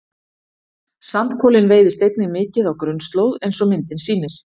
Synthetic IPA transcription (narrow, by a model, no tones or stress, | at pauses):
sant̪kʰɔːlɪnveːjðɪst̪ejt̪nɪmɪːcɪðawkɾʏnst̪loːwðejnsɔmɪnt̪ɪnsiːnɪɾ̥